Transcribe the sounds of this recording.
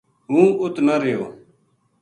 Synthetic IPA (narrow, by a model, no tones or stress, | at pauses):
ɦũːʊt̪nəɾeːo̰ː